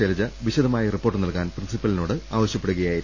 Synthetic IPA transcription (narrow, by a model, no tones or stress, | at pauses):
elɐd͡ʑɐʋiɕɐd̪ɐmaːjɐripːo̞ːrʈːɨnɐlkaːnprinsipːɐlinoːɽɨaːʋɐɕjɐpːeɽuɣɐjaːjiɾ